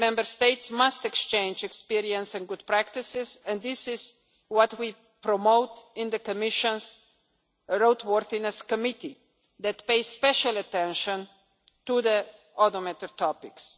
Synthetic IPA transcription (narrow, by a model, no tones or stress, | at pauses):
mɛ̃mbəɾst̪eɪtsmastɛkst͡ʃẽɪ̃nd͡ʒɛkspiɾiə̃nsɛ̃nɡʊd̚pɾækt̪ɪsɪzɛ̃ndd̪ɪsɪz | wɔtwi | pɾɔmoʊtɪ̃nd̪əkɔmɪʃə̃ns | ɹoʊt̪wɔɾθĩnəskɔmɪti | ðɛtpeɪspɛʃalətɛ̃nʃə̃n | tuðə | ɔtɔmɛt̪ətɔpɪks